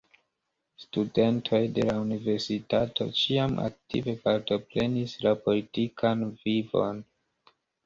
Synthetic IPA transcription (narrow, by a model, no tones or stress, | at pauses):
stude̞ntʰo̞jde̞launive̞ɾsitatʰo̞̰t͡ʃiamʔa̰k̚tḭve̞paɾto̞pɾe̞nislapo̞litikʰanvivo̞̰n